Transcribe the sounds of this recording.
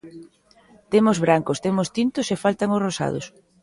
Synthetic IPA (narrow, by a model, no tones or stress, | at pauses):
t̪emozβɾaŋkost̪emʊst̪int̪ʊsefalt̪aŋosrosa̰ð̞ʊ̰s